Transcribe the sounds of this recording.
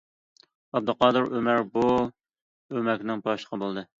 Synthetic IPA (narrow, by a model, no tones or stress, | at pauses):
ɛb̚d̪ɨqɑːd̪ɨɾømæɾbu | ømɛkʲnɪŋbɑʃə̥qʰəbolˠd̪ɨ